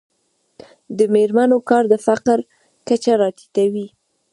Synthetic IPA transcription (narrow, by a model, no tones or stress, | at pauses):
d̪əmeɾmanokɑɾd̪əfaqɾ | kat͡ʃaɾɑt̪i̥t̪awi